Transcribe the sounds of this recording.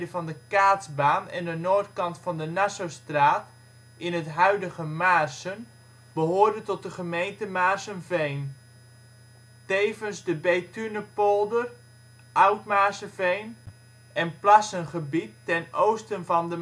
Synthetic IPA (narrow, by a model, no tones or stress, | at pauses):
dəvɑndəkaːdzbaːnɛ̰ndənoːɹtkɑntfɑndənasostraːt | ɪnɦətɦœɥdəχəmaːrsən | bəɦʊːɹdəntɔt̚dəχəmejntəmaːɹsənvejn | tejvənzdəbejtynəpolˠdər | ʔʌwtmaːɹsəvejn | ɛnplasənχəbitːɛnowstənvɑndə